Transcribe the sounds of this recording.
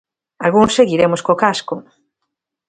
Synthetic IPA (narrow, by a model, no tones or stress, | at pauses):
alɣuŋsːeɣiɾemoskokasko